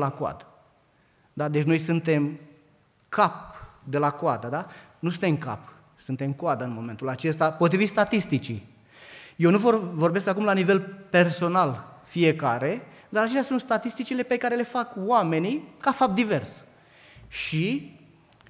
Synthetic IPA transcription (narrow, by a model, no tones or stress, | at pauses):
lakoa̰d̪ə | d̪ad̪e̞t͡ʃʲno̞jsunt̪e̞m | kʰap̚d̪e̞lakoad̪əd̪a | nus̬ɨnt̪emka̰p | sɨnt̪e̞mkoad̪əɨnmo̞me̞nt̪ulat͡ʃe̞st̪apo̞t̪ɾivit̪st̪at̪ist̪it͡ʃḭ | je̞wnuvorvo̞rbe̞skakumlanive̞lpe̞rso̞nalfijekaɾe̞ | d̪aɾat͡ʃest̪ʲasunt̪st̪at̪ist̪it͡ʃile̞pe̞kaɾe̞le̞fakwame̞nikafap̚t̪̚d̪ive̞rs | ʃi